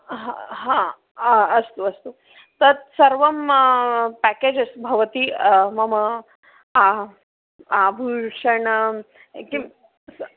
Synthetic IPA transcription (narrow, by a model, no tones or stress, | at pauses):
ɦaɦã | ɐst̪uɐst̪u | t̪ɐt̪sɐɾʋɐm | pækeːd͡ʒɐsbʱɐʋɐt̪imɐmɐ | a | abʱuʂɐɳ | kim | s